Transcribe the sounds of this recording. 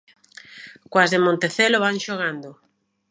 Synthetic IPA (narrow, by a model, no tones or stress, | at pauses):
kwazðemõnt̪eθeloβaŋʃoɣand̪o